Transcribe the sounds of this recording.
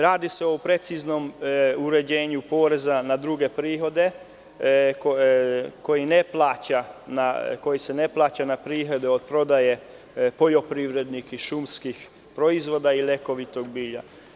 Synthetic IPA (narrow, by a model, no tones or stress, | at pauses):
ɾaːd̪iseopɾe̞t̪sizno̞muɾe̞d͡ʑe̞ːɲupo̞ːɾe̞zanad̪ɾuɡe̞pɾiːɦo̞d̪e̞ | koko̞jine̞plˠaːt͡ɕana̰ko̞jisene̞plˠaːt͡ɕanapɾiːɦe̞d̪eod̪̚pɾo̞d̪aje̞ | po̞ʎo̞pɾiːʋɾe̞d̪nixiʃumskix | pɾo̞izʋo̞ːd̪aile̞ko̞ʋit̪o̞ɡ̚biːʎa̰